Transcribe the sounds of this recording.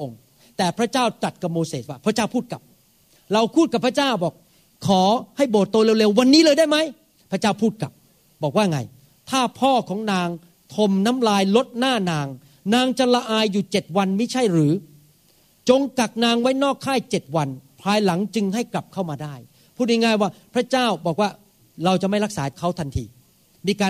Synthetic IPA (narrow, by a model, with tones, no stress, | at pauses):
ŋ | t̪ɛː˨˩pʰɾa˦˥t͡ɕaː˥˩wt͡ɕa˨˩t̪̚ka˨˧p̚moː˧seː˨˩t̪̚waː˥˩pʰɾa˦˥t͡ɕaː˥˩wpʰuː˥˩t̪̚ka˨˩p̚ | ɾa˧wpʰuː˥˩t̪̚ka˨˩pʰːɾa˦˥t͡ɕaː˥˩wbɔː˨˩k̚ | kʰːɔː˩˦ha˥˩jboː˨˩t̪ːoː˧le˧wle˧wwa˧nːiː˦˥lɤː˧jdaː˥˩jma˦˥j | pʰɾa˥t͡ɕaː˥˩wpʰuː˥˩t̪̚ka̰˨˩p̚ | bɔː˨˩k̚waː˥˩ŋa˧j | t̪ʰaː˥˩pʰɔː˥˩kʰɔː˩˦ŋnaː˧ŋ | t̪ʰo˧mna˦˥mlaː˧jlo˦˥t̪̚naː˥˩naː˧ŋ | naː˧ŋt͡ɕa˧˩la˧ʔaː˧jːuː˨˩t͡ɕe˨˩t̪̚wa˧nma˥˩jt͡ɕʰa˥˩jɾɯː˩˦ | t͡ɕo˧ŋka˨˩k̚naː˧ŋwa˦˥jnɔː˥˩kʰːaː˥˩jt͡ɕe˨˩t̪̚wa˧npʰɾaː˧jla˩˦ŋt͡ɕɯ˧ŋha˥˩jkla˨˩p̚kʰa˥˩wmaː˧daː˥˩j | pʰuː˥˩t̪̚hi˧ŋaː˧˩jwaː˥˩pʰɾa˦˥t͡ɕaː˥˩wbɔː˨˩k̚waː˥˩ | ɾa˧wt͡ɕa˨˩ma˥˩jɾa˦˥k̚saː˩˦˥kʰa˦˥˩wt̪ʰa˧nt̪ʰḭː˧ | miː˧kaː˧